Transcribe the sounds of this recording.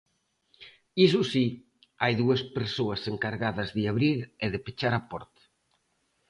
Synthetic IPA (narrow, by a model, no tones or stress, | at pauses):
is̬usi | ajðuɐspeɾsoɐseŋkaɾɣaðɐzðiaβɾiɾeðepet͡ʃaɾapɔ̰ɾt̪